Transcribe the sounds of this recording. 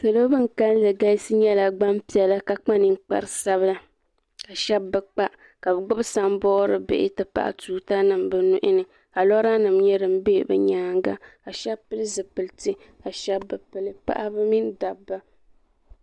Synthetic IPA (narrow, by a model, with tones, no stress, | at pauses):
sɨ˨lo˦bɨ˦ŋ̩˨ka˦llɨ˨ɡa˦sɨ˦ɲɛ˦la˨ɡ͡ba˦mpi˨ɛ˨la˦ka˨k͡pa˦nɨ˨ŋ˦k͡pa̰˦ɾɨ˨sa˦βɨ˦la˦ | ka˨ʃɛ˦bːɨ˨k͡pa˦ʔ | ka˨bɨ˨ɡ͡bʊ˦bsa˦mbɔː˦ɾɨ̰˦bḛ˨ʔɪ̰˦tɨ˨pa̰˨ʔa̰˨tuː˨ta˦nɨ˨mbɨ˨nu˦ʔɪ˦nɨ˨ | ka˨lɔ˦ɾa˦nɨ˨mɲɛ˦ɾɨ˨m̩˦be˦˨bɨ̰˨ɲaː˦ŋɡa̰˦ka˨ʃɛ˦bpɨ˦lɨ˦zɨ˨pɨ˨ltɨ˦ | ka˨ʃɛ˦bːɨ˨pɨ˨lɨ˦pa̰˦ʔa˦bɨ˦mi˦nda˨bːa˦